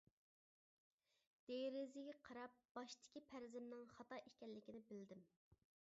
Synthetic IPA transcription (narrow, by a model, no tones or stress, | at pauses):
d̪̥eɾɪzɪɡʲɛqʰɑɾɑp̚b̥ɑʃt̪ʰɪ̥kʲipʰæɾzɪmnɪŋχɑt̪ɑʔekʲɛnllːɪkʲinɪbɪld̪ɪm